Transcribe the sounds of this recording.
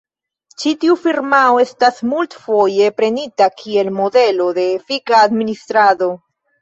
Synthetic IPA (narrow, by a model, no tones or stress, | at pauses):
t͡ʃitiufiɾmaoe̞stasmultfo̞je̞pɾe̞nitakʰie̞lmo̞de̞lo̞de̞ːfikaːdministɾado̞